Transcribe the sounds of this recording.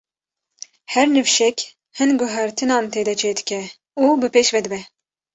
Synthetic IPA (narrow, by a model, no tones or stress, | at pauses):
hɛɾnɨvʃɛkʲ | hɨnɡʊɦæɾt̪ʰɨnɑːnt̪ʰeːd̪ɛt͡ʃʰeːd̪ɨ̥kɛ | uːbɨpeːʃvɛd̪ɨbɛ